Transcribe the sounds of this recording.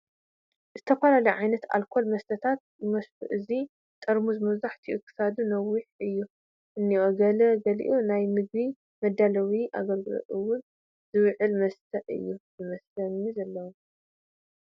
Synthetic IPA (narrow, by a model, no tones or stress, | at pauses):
zɨt̪ʰɐfɐlalɐjʕajnɐt̪a̰lkʰo̞lmɐst̪ʰɐt̪ʰat̪̚jɨmɐsfṵʔɨzi | t̪ʼɐɾmuzmɐβzaħt̪ʰiʔṵkʰːɨ̥sad̪unɐwːiħɨjːu | ʔɨnːiʔoɡɐlɐɡɐlḭʔunajmɨɡ̚βi | mɐd̪ːalɐwiʔa̰ɡɐlɡɨlo̰ʔ̪ʼɨwʊn | zɨwʕɨlmɐst̪ʰɐʔɨ̰jːuzɨmɐslɐnizɐlːɐwo